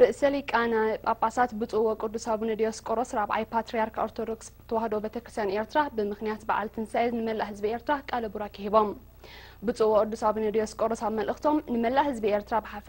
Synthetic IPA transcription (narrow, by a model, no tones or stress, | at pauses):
ɾɨʔsɐlikʼanajpʼapʼasat̪bɨt͡sʼuwokʼɨd̪ːusaβinɨd̪ijoskʼoɾosɾaβa̰jpʰat̪ɾijaɾkʰoɾt̪ʰod̪okst̪ʰɐwahɐd̪obet̪ʰɐkɾɨst̪ʰjaneɾt̪ʰɨɾabɨmɨxnijat̪baʕa̰lt̪ʰɨnsajɐznɨmɐlːahɨzbieɾt̪ʰɾakʼalɐbuɾakʰɨhiβo̞m | bɨt͡sʼuwokʼɨd̪ːusaβinɐd̪ijoskʼoɾosaβmɐlʔɨxt̪ʰo̞mnɨmɐlːahɨzbiʔeɾt̪ʰɾabɨħaf